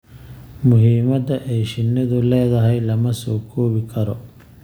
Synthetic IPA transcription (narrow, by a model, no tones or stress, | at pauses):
mʊɦiːmɐd̪ɐʔɛjʃɪnːɪðʊlɛːðɐɦɛjlɐmɐsɔːkʰɔːβɪkʰɐɾɔ